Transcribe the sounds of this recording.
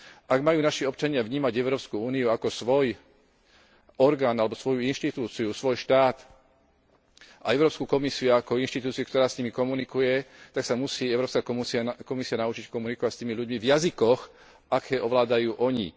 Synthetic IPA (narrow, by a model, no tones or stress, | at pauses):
ʔaɡmajuːnaʃiɔp̚t͡ʃaɲɪavɲiːmaɟɛʊɾɔːpskuuːniuakɔsʋɔj | ɔɾɡaːnalɛbɔsʋɔjuinʃt̪it̪uːt͡siusʋɔjʃt̪aːt̪ | aɛʊɾɔːpskuːkɔmisiuakɔinʃt̪it̪uːt͡siukt̪ɔɾaːsɲimikɔmunikujɛt̪aksamusiːɛʊɾɔːpskaːkɔsiakɔmisianaʊt͡ʃickɔmunikɔʋacst̪iːmiʎuɟmivjazikɔx | akʰɛːʔɔʋlaːd̪ajuːʔɔɲḭ